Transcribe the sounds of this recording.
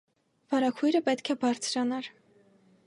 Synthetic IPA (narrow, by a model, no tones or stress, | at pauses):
vɑɾɑkʰujɾəpɛt̪kʰɛbɑɾt͡sʰɾɑnɑɾ